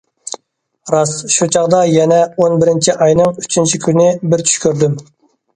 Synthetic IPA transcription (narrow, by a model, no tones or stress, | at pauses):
ɾɑsʃut͡ʃʰɑʁd̪ɑjɛnɛonbɪɾɪnt͡ʃʰiʔɑjnɨŋyt͡ʃʰynt͡ʃʰikʲʰynɪbɪɾt͡ʃʰy̥ʃkʲyɾd̪ym